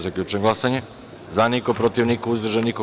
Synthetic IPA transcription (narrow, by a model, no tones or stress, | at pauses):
zaklʎʲut͡ʃeŋɡlˠasaɲe | zanikopɾot̪iʋnikouzd̪ɾ̩ʒaniko